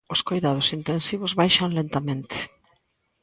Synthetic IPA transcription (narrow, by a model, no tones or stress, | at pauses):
ʊskojðað̞ʊsint̪ensiβ̞ʊzβajʃaŋlent̪amẽnt̪ɪ̥